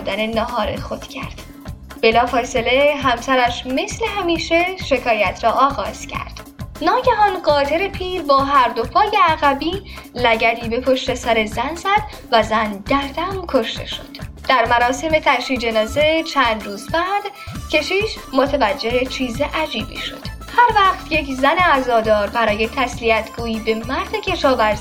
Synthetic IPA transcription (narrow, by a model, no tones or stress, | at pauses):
d̪æne̞nɒɦɒːɾḛxo̞d̪̥cʰæ̰ɾd̪̥ | b̥e̞lɒːfɒːse̞le̞ɦæmsæɾæʃme̞sle̞ɦæmiːʃe̞ʃe̞kʰɒːjæt̪ʰɾɒːʔɒːɣɒːz̥cʰæ̰ɾd̪̥ | nɒːɟæɦɒːnɢɒːt̪ʰe̞ɾe̞pʰiːɾbɒːɦæɾd̪opʰɒːje̞æɣæbiːlæɟæd̪iːbe̞pʰoʃt̪e̞sæɾe̞zænzæd̪ | væzænd̪̥æɾd̪æmkʰo̞ʃt̪e̞̰ʃo̞̰d̪̥ | d̪̥æɾmæɾɒːse̞me̞t̪ʰæʃiːd͡ʒe̞nɒːze̞t͡ʃʰænd̪ɾuːzbæd̪cʰe̞ʃiːʃ | mot̪ʰevæd͡ʒːe̞het͡ʃʰiːzeʔæd͡ʒiːbḭːʃo̞̰d̪̥ | hæɾvæχt̪ʰjecʰzæneæzɒːd̪ɒːɾbæɾɒːje̞t̪ʰæsliæt̪ʰɡuːiːbe̞mæɾd̪ecʰe̞ʃɒːvæɾzi